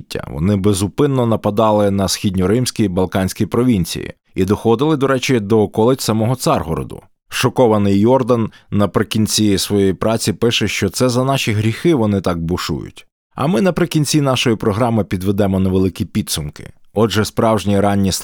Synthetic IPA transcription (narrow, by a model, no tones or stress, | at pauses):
tʲːɐ̰ʋɔ̰nɪbezʊpɪnːɔnɐpɐd̪ɑlˠɪnɐsxʲidʲnʲɔɾɪmsʲkʲijbɐlˠkɑnʲsʲkʲijpɾɔʋʲinʲt͡sʲḭjḭ | id̪ɔxɔd̪ɪlˠɪd̪ɔɾɛt͡ʃid̪ɔkɔlˠɪt͡sʲsɐmɔɦɔt̪sɑrɦɔɾɔ̰d̪ʊ̰ | ʃɔkɔʋɐnɪjjɔrd̪ɐnː | ɐpɾɪkʲinʲt͡sʲisʋɔjejpɾʔɑt͡sʲipɪʃɛʃt͡ʃɔt̪sɛzɐnɑʃʲiɦɾʲixɪʋɔnɪt̪ɑɡ̚bʊʃṵjʊ̰tʲ | ɐ̰mɪnɐpɾɪkʲinʲt͡sʲinɑʃɔjipɾɔɦɾɑmɪpʲid̪ʋed̪ɛmɔnɐʋelˠɪkʲipʲid̪sʊmkɪ̥̰ɔʒɛspɾɑwʒnʲiɾɑnʲːis